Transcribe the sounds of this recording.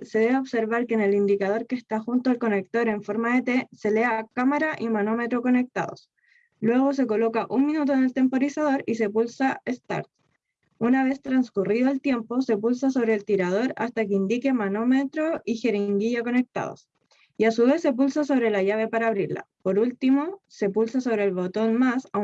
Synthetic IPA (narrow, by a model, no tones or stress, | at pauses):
se̞ðe̞βeoβse̞ɾβaɾkene̞lind̪ikaðo̞ɾkeːst̪axunt̪oalko̞ne̞k̚t̪o̞ɾe̞ɱfo̞ɾmaðet̪e̞se̞leakamaɾaʔimano̞met̪ɾo̞ko̞ne̞k̚t̪a̰ðo̰s | lwe̞ɣo̞s̬e̞ko̞lo̞kaʔunminut̪̬oene̞lt̪e̞mpo̞ɾisað̞o̞ɾise̞pulsaest̪a̰ɾt̪̚ | unaβe̞st̪ɾanskuriðoelt̪je̞mpo̞se̞pulsas̬o̞βɾeːlt̪iɾað̞o̞ɾa̰st̪akeind̪ike̞mano̞met̪ɾoʔixeɾiŋɡiʝako̞ne̞k̚t̪a̰ð̞o̰s | iasuβe̞sːe̞p̬ulsas̬o̞βɾe̞laʝaβe̞paɾaːβɾiɾla̰po̞ɾult̪imo̞se̞pulsaso̞βɾeːlβo̞t̪o̞nmasa